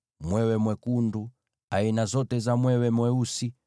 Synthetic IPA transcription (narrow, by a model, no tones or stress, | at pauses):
mwɛwɛmwɛkundu | ainazɔtɛzamwɛwɛmwɛusi